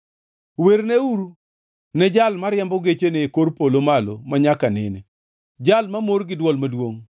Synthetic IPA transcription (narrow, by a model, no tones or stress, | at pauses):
weɾneuɾu | nɛd͡ʒalmaɾjɛmbɔɡet͡ʃeneːkoɾpolomalo̰maɲakanɪ̰ne | d͡ʒalmamoɾɡɪdwɔlmadwoŋ